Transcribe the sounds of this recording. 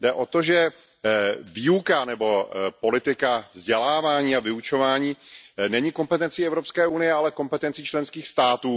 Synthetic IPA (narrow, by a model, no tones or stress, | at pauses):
dɛʔo̞t̪o̞ʒɛ | viːukanɛbo̞po̞lɪt̪ɪkavzɟɛlaːvaːɲiːavɪut͡ʃo̞vaːɲiːnɛɲiko̞mpɛt̪ɛnt͡siɛvɾo̞pskɛːʔunɪjɛalɛko̞mpɛt̪ɛnt͡sit͡ʃlɛnskiːxst̪aːt̪uː